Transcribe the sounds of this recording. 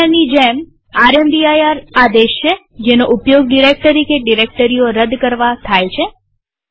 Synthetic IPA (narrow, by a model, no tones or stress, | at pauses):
anid͡ʒem | aɾemɖiajaɾad̪eʃt͡ʃʰe | d͡ʒenoʔupjoɡɖiɾek̚t̪əɾikʰeɖiɾek̚ʈəɾijoɾəd̪kəɾʋat̪ʰajt͡ʃʰe